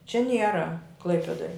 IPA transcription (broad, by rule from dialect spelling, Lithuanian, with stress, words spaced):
t͡ʃʲɛ ˈnʲiɛrɐ ˈklˠɐɪpʲɛdoːj